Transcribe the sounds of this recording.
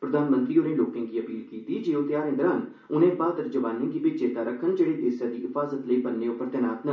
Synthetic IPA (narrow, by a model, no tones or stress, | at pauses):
pɾəd̪aːnmə̃nt̪ɾiːʊnẽːloːkẽːɡiːəpiːlkiːt̪iːd͡ʒeːot̪jaːɾẽːd̪əɾən | ʊnẽːbaːd̪əɾd͡ʒəʋaːnẽːɡ̪iːbɪt͡ʃeːt̪aːɾəkʰːənd͡ʒeːɽiːd̪eːsjaːd̪iːɦɪfʰaːzət̪ləiːbənːeːopəɾt̪jənaːt̪nə